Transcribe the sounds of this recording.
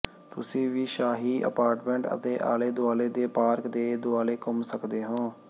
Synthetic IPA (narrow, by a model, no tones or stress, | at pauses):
t̪ʊsĩːʋiːʃaːɦiːʔə̰paːɾʈmɛ̃ɳʈə̰t̪eːʔa̰ːleːd̪ʊaːleːd̪eːpaːɾkd̪eːd̪ʊaːleːkʊmsəkd̪eːɦõː